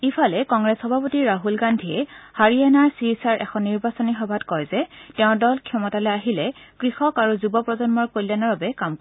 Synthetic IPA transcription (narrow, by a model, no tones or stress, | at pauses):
ipʰalɛkɔŋɹɛsxɔbʱapotiɹaɦulɡandʱiɛhaɹianaɹsiɹisaɹʔɛ̰kʰɔnːiɹbasɔnixɔbʱatkɔjzɛtɛʊ̃dɔlkʰjɔmɔtalɛaɦilɛkɹixɔkaɹuzubɔpɹɔzɔnmɔɹkolanɔɹbabɛkamk